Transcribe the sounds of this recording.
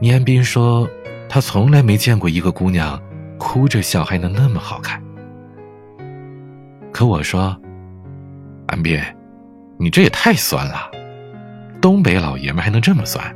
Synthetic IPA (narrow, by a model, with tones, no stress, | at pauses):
ni˧˥a˥npi˥ŋʂwɔ˥t̪ʰa˥t͡sʰʊ˧˥ŋla˧˥ɪme˧˥ɪt͡ɕjɛ˥˧nkwɔ˥˩i˧˥ɡə˧ku˥njɑ˥˩ŋkʰu˥ʈ͡ʂɤ˥˧ɕjɑ˥˩ʊxa˧˥ɪnɤ˧˥ŋna˥˩mə˩xɑ˨˩ʊkʰa˥˩n | kʰɤ˧˥wɔ˨˩ʂwɔ˥ | a̰˥npjɛ˥˩ | ni˨˩ʈ͡ʂɤ˥˩jɛ˨˩t̪ʰa˥˩ɪswa̰˥nlə˩ | t̪ʊ˥ŋp̬e˧˥ɪlɑ̰˨˩ʊjɛ̰˧˥nxɪnɤ˧˥ŋʈ͡ʂɤ˥˩mə˨˩swa̰˥n